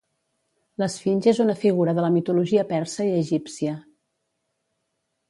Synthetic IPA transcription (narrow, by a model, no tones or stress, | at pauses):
ləsfinʲʒezunəfiɣuɾəðələmit̪uluʒiəpɛɾsəiəʒipsiə